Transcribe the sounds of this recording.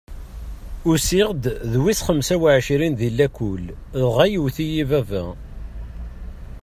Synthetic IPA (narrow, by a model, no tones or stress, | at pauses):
ʊsiʁd̪ðwisχəmsæwaʕʃɾinðilːækːul | ðʁæjuwθijivævæ̰